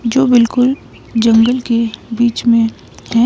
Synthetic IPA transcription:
d͡ʒoːbɪlkʊl | d͡ʒɐ̃ŋɡəlkebiːt͡ʃmẽ | ɦɛ̃

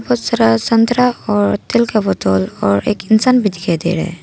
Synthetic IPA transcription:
pot̪sɐɾasɐnt̪ɾaɔːɾt̪ɪlkabɔt̪ɔːlɔːɾḛːkɪnsaːnbʱid̪ɪkʰad̪ḛːɾɛ̰

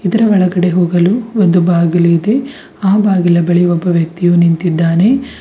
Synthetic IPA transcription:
id̪ɐɾɐʋɐɭɐɡɐɽe̞ɦoːɡɐluond̪ubaːɡilɐid̪e̞ | aːbaːɡilɐbɐɭiɔbːɐʋjɐk̚t̪ijuːnint̪id̪ːaːne̞

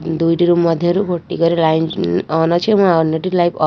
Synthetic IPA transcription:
d̪ujʈiɾumːʌd̪ʱjʌɾuɡʱoʈːiɡʌɾilajnɔnʌt͡ʃʰemɔ̃ɔnːʌʈilajpʌ

